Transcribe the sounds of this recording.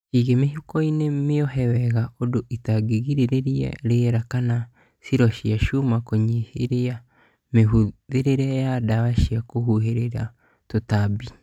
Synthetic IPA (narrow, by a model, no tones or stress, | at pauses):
iɣemeɦukɔinemeɔɦɛwɛɣaʔodoʔitaɡeɣiɾeɾeɾiɛ̰ɾeɾakana | siɾɔʃiaʃumakoɲiheɾea | meɦuðeɾeɾɛjadawaʃiakoɦuɦeɾeɾa | totabi